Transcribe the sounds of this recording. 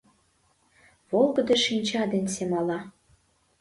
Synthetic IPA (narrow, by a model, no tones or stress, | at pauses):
βolˠɡə̆d̪ɤ̆ʃinʲt͡ɕɑd̪ensemɑlɑ